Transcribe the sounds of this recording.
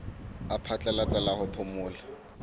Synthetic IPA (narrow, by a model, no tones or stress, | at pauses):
apʰat͡ɬʼalat͡sʼalahʊpʰʊmʊːla